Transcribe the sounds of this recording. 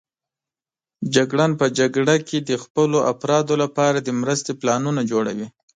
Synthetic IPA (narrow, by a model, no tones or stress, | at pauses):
d͡ʒaɡɽɑnpəd͡ʒaɡɽaked̪əxpəloʔafɾɑd̪olapɑɾad̪əmɾəst̪eplɑnunad͡ʒoɽa̰wi